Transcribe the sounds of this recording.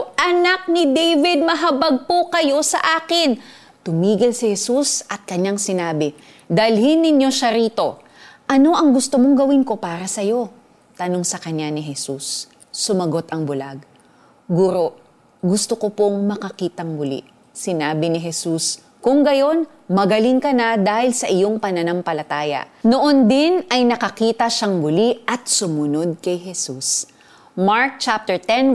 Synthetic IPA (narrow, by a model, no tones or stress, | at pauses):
ʔɐnak̚nɪd̪ejvɪd̪̚mɐɦɐbɐɡ̚pokɐjo̞sɐʔaːkɪn | t̪ʊmiːɡɪlsɪhɛsusʔɐt̪̚kɐɲaŋsɪnaːbɪ | d̪ɐlhɪnːɪɲjo̞ʃaɾiːt̪o̞ | ʔɐno̞ʔɐŋɡʊst̪omo̞ŋɡɐwɪnko̞paːɾɐsɐjo̞ | t̪ɐno̞ŋsɐkɐɲːanɪɦɛsusː | ʊmɐɡo̞t̪ʔɐŋbʊlaɡ | ɡuɾo̞ʔ | ɡʊst̪okopoŋmɐkɐkiːt̪ɐŋbʊlḭ | sɪnaːbɪnɪɦɛsus | kʊŋɡɐjo̞n | mɐɡɐliŋkɐnad̪aːhɪlsɐʔɪjoŋpɐnɐnampɐlɐt̪aːjɐ̰noʔond̪ɪnɐjnɐkɐkiːt̪ɐʃaŋmʊliʔɐt̪̚sʊmʊno̞d̪̚kɐjɦɛsus | maɹk̚t͡ʃap̚t̪ɛɹt̪ɛn